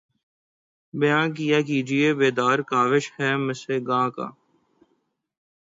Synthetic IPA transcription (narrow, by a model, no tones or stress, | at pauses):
bɐjãːnk̬ijaːkiːd͡ʒiebeːd̪aːɾkaːʋɪʃhɛːmɪseɡãːka̰ː